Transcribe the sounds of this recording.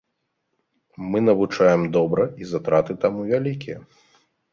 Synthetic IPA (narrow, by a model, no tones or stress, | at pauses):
mɨnɐvut͡ʂajɛmd̪ɔbɾɐizat̪ɾat̪ɨt̪amuvʲalʲikʲijɐ̰